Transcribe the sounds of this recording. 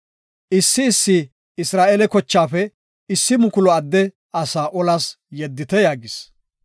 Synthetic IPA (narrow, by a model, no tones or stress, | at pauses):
ʔɪsːɪːsːɪ | ɪsɾaːʔɛlɛkɔt͡ʃːaːfɛ | ɪsːɪmʊkʊlɔɐd̪ːɛ | ɐsaːʔɔlas | jɛd̪ːɪt̪ɛjaːɡɪs